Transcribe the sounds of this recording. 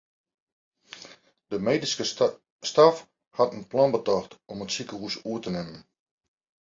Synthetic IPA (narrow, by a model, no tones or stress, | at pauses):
d̥əmeːdiskə | staf | hatənplɔnbətɔxtɔmətsikəhusuətənɪmən